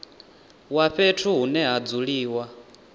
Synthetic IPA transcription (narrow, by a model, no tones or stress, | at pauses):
waɸetʰuɦunɛɦad͡zuɺiːwa